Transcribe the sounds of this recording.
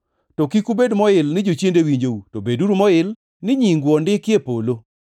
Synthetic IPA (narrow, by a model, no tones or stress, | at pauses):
tokikubedmɔɪlnɪd͡ʒot͡ʃjendewiɲd͡ʒoutobeduɾumɔɪl | nɪɲiŋɡwɔndɪkjepolo